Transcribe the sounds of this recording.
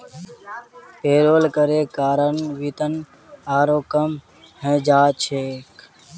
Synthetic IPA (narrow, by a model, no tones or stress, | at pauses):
peːɾoːlkəɾeːkaːɾənʋit̪ən | aːɾoːkəm | ɦɛ̃d͡ʒaːt͡ʃʰeːk